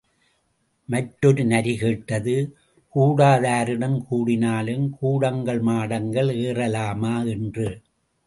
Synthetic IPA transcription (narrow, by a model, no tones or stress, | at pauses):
mɐʈːɔɾɯnɐɾiɣeːʈːɐðɯ | kuːɽaːðaːɾɪɽɐmkuːɽɪnaːlɯmkuːɽɐŋɡɐɭmaːɽɐŋɡɐɭeːrɐlaːmaːɛndrɯ